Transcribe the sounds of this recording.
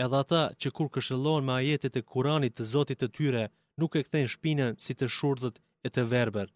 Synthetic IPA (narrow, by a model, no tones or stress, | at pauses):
ɛðɛat̪at͡ɕəkuɾkəʃəlˠɔnmɛajɛt̪ɛt̪ɛkʰuɾanit̪ːəzɔt̪it̪ːət̪yɾɛ | nukɛkθɛnʃpinənsit̪əʃuɾðət̪ | ɛt̪əvɛɾbəɾ